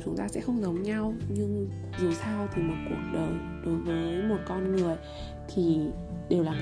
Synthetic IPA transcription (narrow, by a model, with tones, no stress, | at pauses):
t͡ɕʊ˨˦ŋ͡mt̪aː˧sɛ̰˧˥xə˧wŋ͡mzə˨˦wŋ͡mɲa˧wɲɨ˧ŋ | zu˨˩saː˧wt̪ʰi˨˩mo˨˩t̚ku˨˩ək̚ɗəː˨˩j | ɗo˨˦jvəː˨˦jjmo˨˩t̚kɔ˧nŋɨ˨˩əj | t̪ʰi˨˩ | ɗe˨˩wlaː˨˩